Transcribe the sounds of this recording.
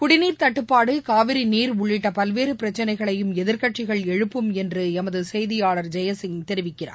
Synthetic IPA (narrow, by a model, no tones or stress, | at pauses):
kʊɽɪniːɾt̪ɐʈːɯpːaːɽɯkaːʋɪɾiniːɾʊɭːɪʈːɐpɐlʋeːɾɯpɪɾɐt͡ʃːɐnɐɪɣɐɭɐjɯmɛðɪɾkɐʈt͡ʃɪɣɐɭɛɻɯpːɯmɛndrɯɛmɐðɯsɛjðɪjaːɭɐɾd͡ʒɛjɐsɪŋt̪ɛɾɪʋɪkːɪra̰ː